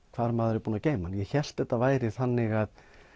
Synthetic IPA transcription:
kʰv̥aːɾmaːðɛɾʏpuːnaceːjmanjɛçɛl̥t̪ɛht̪ːavaːjɾɪθanːɪɣað

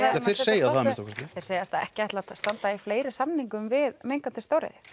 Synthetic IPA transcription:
θɪ̥sejsaðθaðmɪsɔ̥wkvɛst̪ɪθeɪɾ̥seːjast̪aɛhcɪajht̪lat̪st̪ant̪aifleːjɾɪsamniŋkʏmvɪðmejŋkant̪ɪst̪owɾɪ̰ðɪ

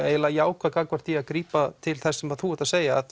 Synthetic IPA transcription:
eːjlajaːwkvakakvaɾ̥t̪iaðkɾiːpat̪ʰɪlθɛsːɛmvaθuːɛt̪aseːjaːð

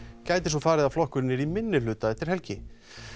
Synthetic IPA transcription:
caːjt̪ɪsɔfaːɾɪðaflɔhkʏɾɪnːɪɾimɪnːɪlʏːt̪aɛht̪ɪɾ̥hɛlcɪ

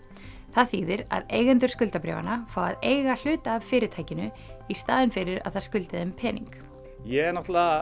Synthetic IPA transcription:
θaðθiːðɪɾa̰ðeːjɣɛnt̪ʏ̥skʏlt̪apɾɛ̰ːva̰nafaːwa̰ðeːjɣal̥ʏːt̪aːvfɪːɾɪt̪ʰaːjcɪnʏ | ist̪aːðɪnfɪɾɪɾa̰ðθaðskʏlt̪ɪðɛmpʰɛːnḭŋk | jɛɛɾnɔht̪la

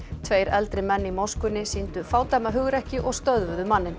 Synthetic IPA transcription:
t̪ʰveːjɾɛlt̪ɾɪmɛnːimawskʏnːɪsint̪ʏfaːwt̪ajmaɦʏɣɾɛhcɪʔɔɣst̪œðvʏðʏmanːɪn

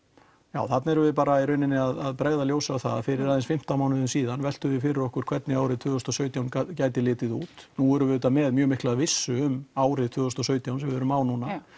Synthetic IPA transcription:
jaːwθat̪naɛɾʏvɪðpaːɾaiɾœɥnɪnːɪaðaðpɾɛɣðaljoːwsawθa̰ða̰fɪɾɪɾaðɛnsfɪm̥t̪amaːwnɪðʏnsiːðanvɛl̥t̪ʏvɪfɪɾɪɾɔhkʏɾ̥kʰvɛt̪nɪaːwɾɪðt̪ʰʏːʏst̪ɔsœːɥt̪jawncaːjt̪ɪlɪːt̪ɪðuːt̪nuɛɾʏmvɪðʏːt̪amɛðmjœːmɪhklaðvɪsːʏʏmaːwɾɪðt̪ʰvʏːðʏst̪ɔsœːɥt̪jawnsɛmvɪvɛɾʏmaːwnuna

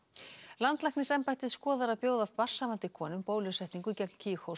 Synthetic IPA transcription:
lant̪lajhknɪsɛmpajt̪ɪðskɔːðaɾaðpjoːwðavpar̥saːmant̪ɪkʰɔːnʏmpoːwlʏsɛht̪niŋkʏicɛkn̥cʰiːxhow

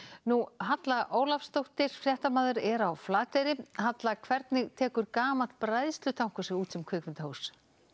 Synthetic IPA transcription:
nuɦat̪laɣʔoːwlafst̪owht̪ɪɾ̥fɾjɛht̪amaːðʏɾɛɾawflaːt̪ejɾɪɦat̪lakʰvɛɾt̪nɪɣt̪ʰɛːkʏɾkaːmat̪pɾajðst̪lʏt̪ʰawŋ̥kʏ̥sɛɣuːt̪sɛmkʰʏːkvɪnt̪ahows

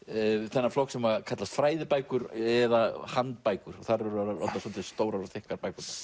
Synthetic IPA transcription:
θɛnːaflɔhksɛmakʰat̪last̪fɾaːjðɪpaːjkʏɾɛðahant̪pajkʏɾɔɣθaɾɛɾaɾa̰t̪nasɔnt̪ɪst̪oːwɾaɾθɪhkaɾpajkʏt̪a

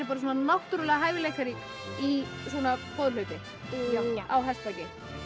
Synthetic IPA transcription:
ɾɪpaːɾas̬uɔnanaht̪ʏɾʏlɛɣaɦaːjvɪlejkaɾɪ | i | sɔːnapɔðlœɥt̪ɪ | awɦɛst̪acɪ

